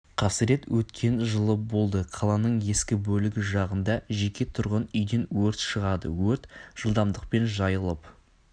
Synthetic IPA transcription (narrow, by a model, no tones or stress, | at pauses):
qʰɑsəɾe̞t̪wɵt̪kʲʰe̞nʒəlˠəbo̞lˠd̪əqʰɑlˠɑnəɴe̞skʲɪbɵlɪɡʲɪʒɑʁənd̪ɑʒe̞kʲe̞t̪ʰʊɾʁənʏjd̪e̞nwɵɾt̪ʃəʁɑd̪ə̰wɵɾt̪ʒ̥əlˠd̪ɑmd̪əq̚pe̞nʒɑjəlˠəp